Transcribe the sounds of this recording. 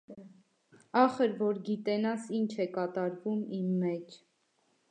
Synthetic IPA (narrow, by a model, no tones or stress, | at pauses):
ɑχəɾvɔɾɡit̪ɛnɑsint͡ʃʰɛkɑt̪ɑɾvumimːɛt͡ʃʰ